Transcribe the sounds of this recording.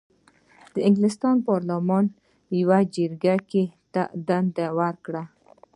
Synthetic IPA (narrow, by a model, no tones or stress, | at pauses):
d̪̥əɪŋɡlɪst̪ɑnpɑɾlamɑn | jawad͡ʒəɾɡaket̪ad̪and̪awaɾkɽa